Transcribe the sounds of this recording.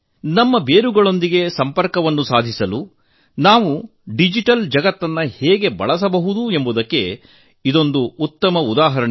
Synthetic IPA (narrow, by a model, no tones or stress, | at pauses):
nɐmːɐbeːɾuɡɐɭo̞nd̪iɡe̞sɐmpɐɾkɐʋɐnːusaːd̪ʱisɐlu | naːʋu | ɖid͡ʒiʈɐld͡ʒɐɡɐt̪ːɐnːɐheːɡe̞bɐ̰ɭɐs̬ɐbɐɦud̪ue̞mbud̪ɐkːe̞ | id̪o̞nd̪uːt̪ːɐmɐud̪aːɦɐɾɐɳ